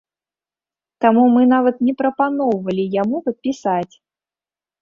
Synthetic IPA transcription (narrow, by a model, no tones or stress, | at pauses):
t̪amumɨnavɐt̪nʲɛpɾɐpanɔwvɐlʲijamupɐt̪̚pʲisat͡sʲ